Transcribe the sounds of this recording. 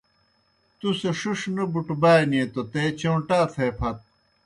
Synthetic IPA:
t̪useʂuʂnɐbuʈbaːjniet̪ot̪eːt͡ɕoːʈaːt̪ʰeːpʰɐt̪̚

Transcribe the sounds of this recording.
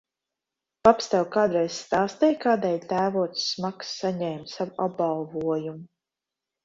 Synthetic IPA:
papst̪awkaːd̪ɾɛjsst̪aːst̪ɛjkaːd̪ɛjlʲt̪æːvuɔt̪sːmaksːaɲɛːmt̪savuab̚balˠvuɔjumu

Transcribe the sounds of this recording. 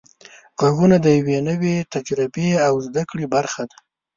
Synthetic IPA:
ɣaɣunad̪əjawenəwet̪ad͡ʒɾɪbeawzd̪akɽibaɾxad̪a

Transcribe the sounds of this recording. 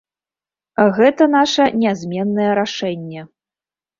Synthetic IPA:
ɣɛt̪ɐnaʂɐnʲazʲmʲɛnːɐjɛɾaʂɛnʲːɛ

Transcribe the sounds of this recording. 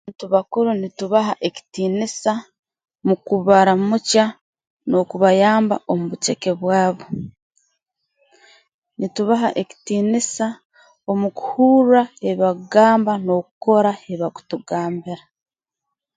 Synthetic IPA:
aβaːntuβakuɾunituβaɦaʔeci̥tiːnisa | mukuβaɾamuca | no̞kuβajaːmba̰ʔo̞muβut͡ʃe̞ke̞βwaːβo̞ | nituβaɦa̰ʔeci̥tiːnisa | o̞muku̥huːɾae̞βaɡaːmbano̞kuko̞ɾae̞βaku̥tuɡaːmbiɾa

